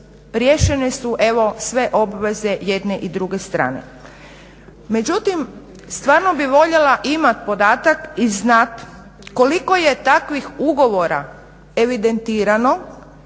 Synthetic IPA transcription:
ɾje̞ːʃenesuʔe̞ʋo̞sʋe̞ʔo̞bʋeze̞je̞d̪neʔid̪ɾuɡe̞st̪ɾa̰ːnḛ | me̞d͡ʑut̪im | st̪ʋaːɾno̞biʋo̞ʎelaʔimat̪̚po̞d̪aːt̪akiznat̪ | ko̞liko̞je̞t̪akʋixuɡo̞ʋo̞ɾa | eʋid̪e̞nt̪iːɾano̞

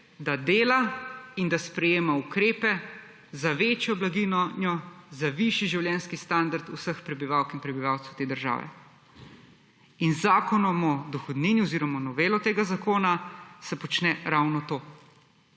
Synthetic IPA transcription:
d̪ad̪eːlaind̪aspɾɛjeːmaukɾeːpɛ | zaʋeːt͡ʃjɔblaɡinɔnjɔzaʋiʃiʒiwljɛnskist̪and̪aɾt̪usəxpɾɛbiʋaːwkinpɾɛbiʋaːwt̪sɛwt̪eːd̪əɾʒa̰ːʋɛ̰ | inzaːkɔnɔmɔd̪ɔxɔd̪niːniɔziːɾɔmanɔʋeːlɔt̪eːɡazakoːnasɛpɔt͡ʃnɛɾawnɔt̪oː

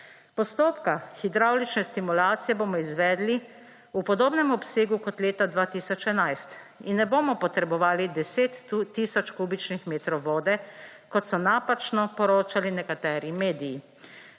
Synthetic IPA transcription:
pɔst̪oːpkaxid̪ɾawlit͡ʃnɛst̪imulaːt̪sijɛboːmɔizʋɛːd̪li | upɔd̪oːbnɛmɔpseːɡukɔt̪leːt̪ad̪ʋaːt̪iːsɔt͡ʃɛnajst̪ | inːɛboːmɔpɔt̪ɾɛbɔʋaːlid̪ɛseːt̪ːiːsɔt͡ʃkuːbit͡ʃnixmeːt̪ɾɔwʋoːd̪ɛ | kɔt̪sɔnaːpat͡ʃnɔpɔɾoːt͡ʃalinɛkat̪ɛːɾimeːd̪iji

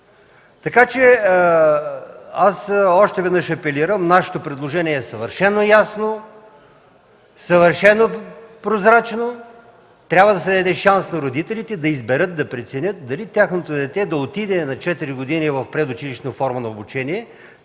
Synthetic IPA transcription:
t̪ɐkat͡ʃɛ | asɔʃt̪ɛvɛd̪nəʃɐpɛliɾəmnaʃɛ̥t̪opɾɛd̪lˠoʒɛniɛːsɐvəɾʃɛnːojasno | sɐvəɾʃɛnːopɾozɾat͡ʃno | t̪ɾʲabvəd̪ɐsɛd̪ɐd̪ɛʃansnɐɾod̪it̪ɛlit̪ɛd̪ɐizbɛɾɤt̪̚d̪ɐpɾɛt̪sɛnʲɤt̪̚d̪ɐlit̪ʲjaxnot̪od̪ɛt̪ɛd̪ɐot̪id̪ɛnɐt͡ʃɛt̪iɾiɡʊd̪inivɐfpɾɛd̪ʊt͡ʃiliʃnofɔɾmənɐobut͡ʃɛniɛ

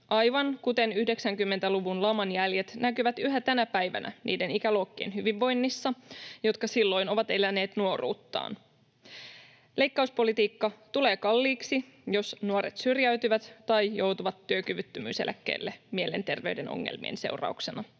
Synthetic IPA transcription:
ʔɑjʋɑnkut̪e̞nyhdeksæŋkymːent̪æluʋunlɑmɑnjælje̞t̪nækyʋæt̪yɦæt̪ænæpæjʋæ̰næ̰nʔḭːde̞nikæloːkːiːnhyʋiʋːo̞jnːisːɑjo̞t̪̚kɑsilːo̞jno̞ʋɑt̪e̞læne̞ːt̪nuo̞rṵːt̪ːɑ̰ːn | le̞jkːɑuspo̞lit̪iːkːɑt̪ule̞ːkɑlːiːksi | jo̞snuɑɾet̪syrjæɥt̪yʋæt̪t̪ɑjjo̞wt̪uʋɑt̪ːyøkyʋyt̪ːømy̰ːselæ̰kːḛːlːemie̞le̞nt̪e̞rʋe̞yɥdeno̰ŋːḛlmḭḛnse̞̰wrɑ̰uksenɑ

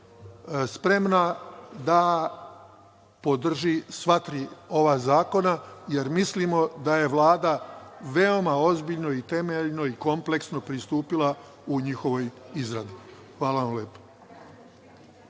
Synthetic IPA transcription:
spɾe̞mnad̪a | po̞d̪r̩ʒisʋat̪ɾio̞ʋaːzaːko̞naje̞ɾmislimo̞d̪aje̞ʋlˠaːd̪aʋe̞o̞maozbiʎno̞it̪e̞meʎno̞iko̞mple̞ksno̞pɾist̪uːpilˠa | uɲixo̞ʋo̞jizɾad̪i | xʋaːlaʋamleːpo̥

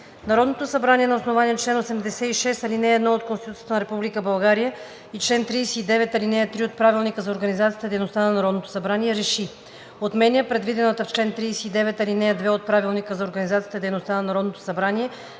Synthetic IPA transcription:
nɐɾɔd̪not̪osɐbɾanʲiɛnɐosnovaniɛnt͡ʃlɛnosɛmd̪ɛsɛiʃɛst̪ɐlinɛːd̪noot̪̚kõnst̪it̪ut̪ʲjə̥t̪ənɐɾɛpublikəbɐlˠɡaɾijə | it͡ʃlɛnt̪ɾijsɛːd̪ɛvɛt̪ɐlinɛjət̪ɾiot̪̚pɾavilˠnikəzɐoɾɡənizat̪sijət̪d̪ɛjnost̪anɐnɐɾɔd̪not̪o̥sɐbɾaniɛɾɛʃi | ot̪mɛnʲiəpɾɛd̪vid̪ɛnət̪əft͡ʃlɛnt̪ɾijsɛːd̪ɛvɛt̪ɐlinɛəd̪vɛot̪̚pɾavilˠnikəzɐoɾɡɐnizat̪sijə̥t̪əd̪ɛjnost̪anɐnɐɾɔd̪not̪o̥sɐbɾaniɛ

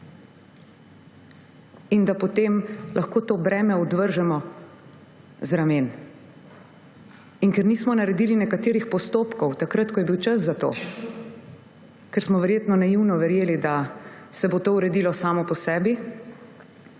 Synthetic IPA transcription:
ind̪apɔt̪emlʔaxkoːt̪oːbɾɛːmɛɔd̪ʋəɾʒɛmɔ | zɾameːn | iŋkɛɾniːsmɔnaɾɛd̪iːlinɛkat̪eːɾixpɔst̪oːpkɔwt̪akɾat̪kɔjɛbiwt͡ʃəszat̪o̰ː | kɛɾsmɔʋɛɾjeːt̪nɔnajiwnɔʋɛɾjeːlid̪asɛbot̪oːuɾɛd̪iːlɔsaːmɔpɔsɛːbi

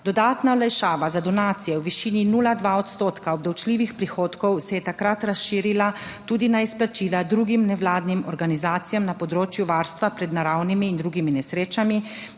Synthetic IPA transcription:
d̪ɔd̪aːt̪naɔlajʃaːʋazad̪ɔnaːt̪sijɛwʋiʃiːninuːlad̪ʋaɔt̪st̪oːt̪kaɔb̚d̪awt͡ʃliːʋixpɾixoːt̪kɔwsɛjɛt̪akɾat̪ɾasʃiːɾilat̪uːd̪inaisplat͡ʃiːlad̪ɾuːɡimnɛʋlaːd̪nimɔɾɡanizaːt̪sijamnapɔd̪ɾoːt͡ʃjuʋaːɾst̪ʋapɾɛd̪naɾawnimiːnd̪ɾuːɡiminɛsɾeːt͡ʃami

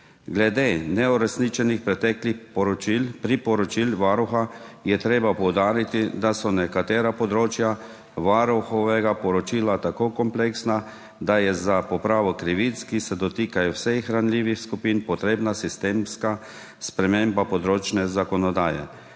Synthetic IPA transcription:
ɡlɛd̪eːnɛɔɾɛsnit͡ʃɛnixpɾɛt̪ɛːklipipɾipɔɾɔt͡ʃilʋaɾuxajɛt̪ɾeːbapɔwd̪aːɾit̪id̪asɔnɛkat̪eːɾapɔd̪ɾoːt͡ʃja | ʋaːɾuxɔʋɛɡapɔɾɔt͡ʃiːlat̪akoːkɔmpleksna | d̪ajɛzapɔpɾaːʋɔkɾiʋit̪skisɛd̪ɔt̪iːkajɔwsɛxɾanliːʋixskupinpɔt̪ɾeːbnasist̪eːmska | spɾɛmeːmbapɔd̪ɾoːt͡ʃnɛzakɔnɔd̪aːjɛ̰

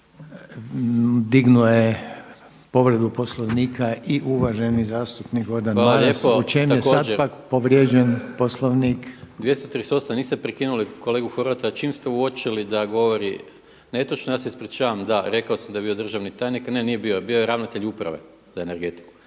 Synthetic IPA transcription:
d̪iɡnuje | po̞ʋɾed̪uposloʋniːkʰaiʔuʋaʒenizaːst̪upnikod̪anʋaːmaaʎeout͡ʃemjesaadtd͡ʒpakpoʋɾjeːd͡ʒenposlˠoʋnikd̪ʋje̞st̪ot̪ɾist̪o̞saniːst̪epɾekinuliko̞le̞ːɡuxoɾʋat̪at͡ʃiːmst̪euot͡ʃilid̪aɡo̞ʋoɾi | net̪ot͡ʃnojaːseispɾit͡ʃaːʋamd̪aɾe̞kaosamd̪aebiod̪r̩ʒaʋnit̪ajniknenije̞biobiojeɾaʋnat̪e̞ʎupɾa̰ʋe̞̰ | zaene̞ɾɡe̞t̪i̥ku̥

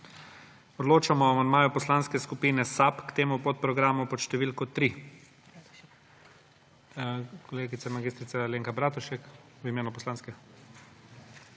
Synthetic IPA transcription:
ɔd̪loːt͡ʃamɔamand̪maːjupɔslanskɛskupiːnɛsapkt̪eːmupot̪̚pɾɔɡɾaːmupɔt̪ʃt̪ɛʋilkɔt̪ɾi | kɔleːɡit̪sɛmaɡiːst̪ɾit̪saleːŋkabɾaːt̪uʃɛk | ʋimeːnupɔslaːnskɛ

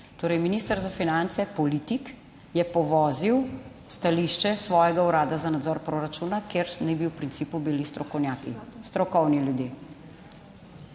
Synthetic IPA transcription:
t̪oːɾɛjminiːst̪əɾzafinant̪sɛpɔliːt̪ik | jɛpɔʋɔːziw | st̪aliʃt͡ʃɛsʋɔːjɛɡauɾaːd̪azanad̪zɔɾpɾoɾat͡ʃunakeɾnɛbiwpɾint̪siːpubilisnjakist̪ɾɔkɔwniljud̪jeː

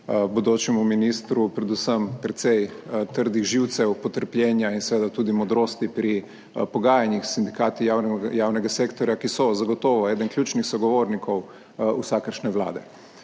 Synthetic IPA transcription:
bɔd̪oːt͡ʃɛmuminist̪ɾupɾɛd̪usəmpɾɛt̪sɛjt̪əɾd̪iɣʒiwt̪sɛwpɔt̪əɾplʲjɛːnjainsɛʋeːd̪at̪uːd̪imɔd̪ɾoːst̪ipɾi | pɔɡaːjanjixsind̪ikaːt̪ijaːwnɛɡaseːkt̪ɔɾjakisɔzaɡɔt̪ɔːʋɔɛːd̪ənklʲjuːt͡ʃnixsɔɡɔʋoːɾnikʰɔw | usakəɾʃnɛʋla̰ːd̪ɛ

